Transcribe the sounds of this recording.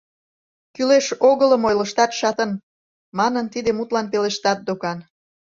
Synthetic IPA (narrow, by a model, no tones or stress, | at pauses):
kyleʃoɣələ̆mojlə̆ʃt̪ɑt̪ʃɑt̪ə̆n | mɑnənt̪id̪emut̪lɑnpeleʃt̪ɑt̪̚d̪okɑn